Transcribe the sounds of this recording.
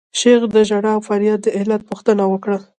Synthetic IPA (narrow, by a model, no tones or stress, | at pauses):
ʃeɣd̪əʒaɽɑwfaɾjɑd̪̚d̪əɪhlat̪̚puxt̪ənawəkɽa